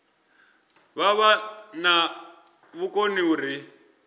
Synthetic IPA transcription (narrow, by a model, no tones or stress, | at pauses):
βaβana | βukoniuɾi